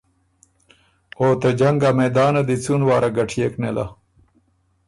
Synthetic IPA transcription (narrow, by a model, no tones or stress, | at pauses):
oːt̪ɐd͡ʑɐŋɡamed̪ɑːnɐd̪it͡sunwaːɾaɡɐʈʰijeknela̰